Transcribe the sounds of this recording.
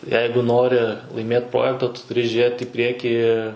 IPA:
ˈjɛɪɡʊ ˈnoːrʲɪ lˠɐɪˈmʲeːt ˈproːjɛktɐ tʊ tʊˈrʲɪ ˈʒʲeːt ɪ ˈpʲrʲiɛkʲiː

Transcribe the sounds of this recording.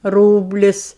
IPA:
ˈruːbʲlʲɪs

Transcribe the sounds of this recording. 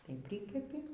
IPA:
tɐɪ ˈpʲrʲɪkʲɛpʲɪ

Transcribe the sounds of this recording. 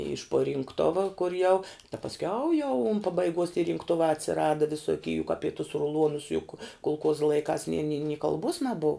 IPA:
ɪʃ puɔ rʲɪŋkˈtʊʋɐ kʊr jɛʊ tɐ pɐsʲˈkʲɛʊ jɛʊ ʊn pɐbɐɪˈɡuɔs tʲɪ rʲɪŋkˈtʊʋɑː ɐtʲsʲɪˈrɑːdɐ ʋʲɪsoːˈkʲiː jʊk ˈɑːpʲɪ tuɔs rʊˈlˠuɔnʊs jʊk kʊlˠˈkuɔzɐ lˠɐɪˈkɑːs nʲɪ nʲɪ nʲɪ kɐlˠˈbuɔs nɐˈbʊw

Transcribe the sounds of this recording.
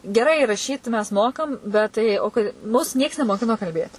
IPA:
ɡʲɛˈrɐɪ rɐˈʃʲiːt mʲɛs ˈmoːkɐm bʲɛt ˈtɐɪ oː ˈkɐɪ ˈmʊs ˈnʲiɛks nʲɛmoːˈkʲɪnoː kɐlʲˈbʲeːt

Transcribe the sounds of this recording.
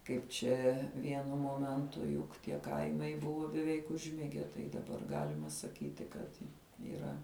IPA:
ˈkɐɪp t͡ʃʲɛ ˈʋʲiɛnʊ ˈmoːmʲɛntʊ jʊk tʲiɛ ˈkɐɪmɐɪ ˈbʊʋoː bʲɛˈʋʲɛɪk ʊʒʲˈmʲɪɡʲɛ ˈtɐɪ dɐˈbɐr ˈɡɑːlʲɪmɐ sɐˈkʲiːtʲɪ kɐt iːˈrɐ

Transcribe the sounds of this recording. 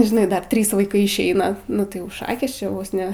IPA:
ʒʲɪˈnɐɪ ˈdɐr ˈtʲrʲiːs ʋɐɪˈkɐɪ ɪʃʲˈɛɪnɐ nʊ tɐɪ ˈjɛʊ ˈʃɑːkʲeːs t͡ʃʲɛ ˈʋoːs ˈnʲɛ

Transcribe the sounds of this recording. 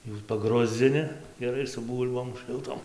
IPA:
juː pɐˈɡrʊzʲd͡zʲɪnʲɪ ɡʲɛˈrɐɪ sʊ ˈbuːlʲboːm ʃɨlˠˈtoːm

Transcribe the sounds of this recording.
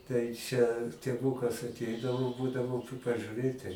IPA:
tɐɪ ˈt͡ʃʲɛ tʲeːˈʋuːkɐs ɐˈtʲɛɪdɐʋoː ˈbuːdɐʋoː p pɐʒʲʊˈrʲeːtʲɪ

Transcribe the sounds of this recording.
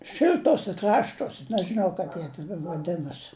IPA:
ˈʃʲɪlʲtoːsʲɛ ˈkrɑːʃtoːsʲ nʲɛʒɨˈnɐʊ kɐɪp ˈjiɛ tʲɛn ʋɐˈdʲɪnɐsʲɪ

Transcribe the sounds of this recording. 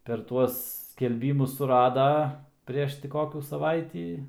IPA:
pʲɛr ˈtuɔs sʲkʲɛlʲˈbʲiːmʊs sʊˈrɑːdɐ ˈpʲrʲiɛʃ tʲɪ ˈkoːkʲuː sɐˈʋɐɪtʲiː

